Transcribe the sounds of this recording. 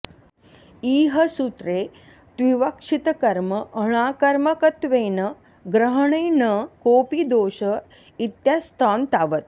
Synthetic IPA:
iːɦəsut̪ɾe | t̪ʋiʋəkʂit̪kɐɾməʔːəɽ̃aːkɐɾməkət̪ʋeːnə | ɡɾəɦɳenəkoːpid̪oːɕə | it̪jast̪ʰant̪aʋət̪̚

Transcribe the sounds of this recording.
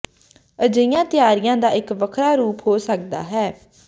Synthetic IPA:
əd͡ʒəijãːt̪ɪjaːɾɪjãːd̪aːɪkʋəkʰɾaːɾuːpɦoːsək̚d̪a̰ːɦɛː

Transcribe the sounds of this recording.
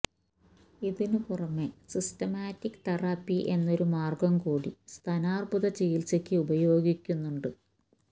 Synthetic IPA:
iðinɨpurɐmːesistɐmaːtːikːt̪ɐrɐpːiʔe̞nːo̞ɾumaːrɡɐmkuːɽist̪ʰɐnaːrbuðɐt͡ɕejilt͡ɕɐkʲːɨubɐjo̞ːɡikʲːunːuɳɖɨ

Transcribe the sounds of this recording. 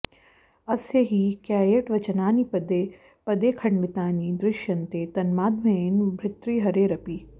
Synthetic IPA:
ɐsjɐɦiːkjaːjeʈʋɐt͡ʃɐnaːnipd̪e | pɐd̪eːkʰɐɳʋɪt̪aːniːd̪ɾɪʃjɐnt̪et̪ɐnmaːd̪ʱmɐ̃enbʱɾɪt̪ɾiːɦɐɾeɾɐpiː

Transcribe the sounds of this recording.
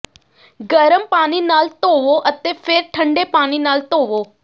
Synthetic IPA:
ɡəɾəmpaːninaːlt̪oːʋoʔət̪epʰeɾʈʰə̃ɳɖepaːñinaːlt̪oːʋoː

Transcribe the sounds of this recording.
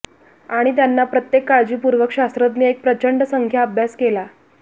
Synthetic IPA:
aɽ̃it̪janːapɾət̪jekːaɭd͡ʑiːpuɾʋəkɕast̪ɾət̪niːek̚pɾət͡ɕəɳɖsəŋkʰjaəbʱjaskela

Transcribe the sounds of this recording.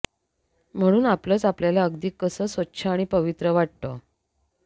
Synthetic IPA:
m̤əɽ̃uːnapləːt͡sapljalaəɡd̪iːkːəsəːsʋətːɕʰaːɽ̃ipəʋit̪ɾəʋaʈ̚t̪ə

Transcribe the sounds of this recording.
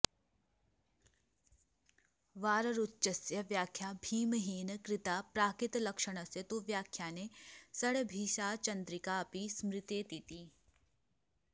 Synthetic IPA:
ʋaːɾəɾʊtːʃəsjɐʋjaːkʰːjaːbʱiːməɦiːnkɾɪt̪aːpɾaːkɪt̪lɐkʃəɽ̃ɐsjɐt̪oʋjaːkʰːjaːnesɐɽbʱiːʃaːt͡ʃɐ̃nd̪ɾɪkaɐpismɾɪt̪et̪iːt̪iː

